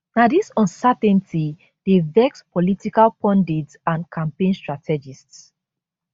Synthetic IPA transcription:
nadisɔ̃nsatɛ̃ntʰi | d̥evɛkspɔlitikalpʰɔ̃ndidsãnkʰãmpẽnstɹatʰɛd͡ʒists

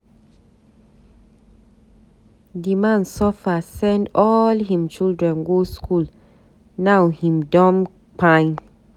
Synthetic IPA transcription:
dimãnsɔfasɛ̃ndɔlɦĩmt͡ʃildɹɛ̃nɡoskul | nawhĩmdɔ̃m | pãn

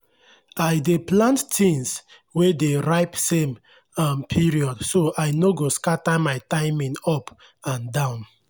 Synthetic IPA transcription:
ajdeplãnttĩns | wedeɹaɪpsẽm | ampʰiɹiɔdsoʔajnoɡoskatamajtãɪmĩnɔp | ãndãʊ̃n

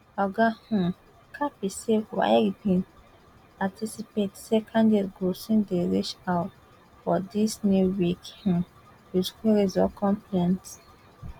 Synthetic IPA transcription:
aɡahũ | kʰapisewa̰jibĩn | patisipetsekʰãndedɡosĩndeɹit͡ʃaʊt | fɔdisnuwikhũ | wiskiɹizɔkʰɔ̃mplɛ̃nt

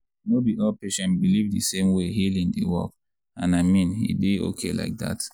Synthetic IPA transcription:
nobiʔɔlpeʃɛ̃nbilivdisẽmweɦilĩŋdḭwɔ̰k | ãnaɪmĩnhḭdeo̰kʰela̰ɪk̚da̰t

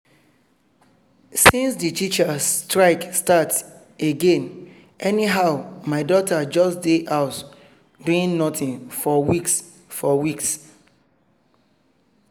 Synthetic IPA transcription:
sĩnsditʰit͡ʃastɹaɪkstat | eɡẽn | ɛniɦaʊmaɪdɔtʰad͡ʒɔsdeʔaʊt | bĩnnɔtĩnfɔwiks | fɔwiks

